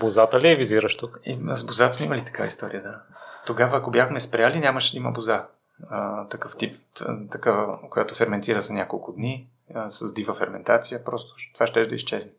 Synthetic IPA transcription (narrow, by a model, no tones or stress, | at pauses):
bozat̪əliɛviziɾəʃt̪ukə̥ḭzbozat̪smɛiməlit̪ɐ̥kavə̰ist̪ɔɾḭjəd̪at̪oɡavəːkobjaxmɛspɾʲjalinʲaməʃlʲimɐ̰boza | ət̪ɐkɤft̪ip̪ | t̪ɐkavəkojat̪ofɛɾmɛnt̪iɾəzɐnʲakolˠkʊd̪ni | əsɐzd̪ivəfɛɾmɛnt̪at̪sijəpɾɔst̪o̥t̪ovaʃt̪ɛʒd̪ə̰ist͡ʃɛznɛ